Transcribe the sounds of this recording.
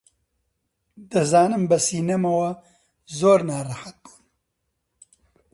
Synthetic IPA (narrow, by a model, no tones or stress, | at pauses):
d̪ɨzaːnɨmbɐsiːnɐmɐwɐ | zoːɾnaːrɐħat̪̚b̥u̥ːn